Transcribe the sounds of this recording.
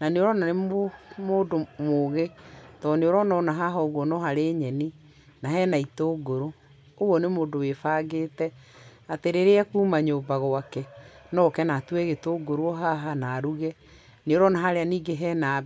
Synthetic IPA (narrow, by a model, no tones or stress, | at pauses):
naneoɾɔnanemoːdomoːɣetɔneoɾɔnɔnaɦaɦɔɣwɔnɔɦaɾeɲɛni | naɦɛːnaitoːɡoɾo | oɣwɔnemoːdowefaːɡeːtɛ | ateɾeɾeɛkuːmaɲoːbaɣoakɛnɔːkɛnatwɛɣetoːɡoɾwɔɦaɦanaɾuɣɛ | neoɾɔnaɦaɾeaniːɡeɦɛːna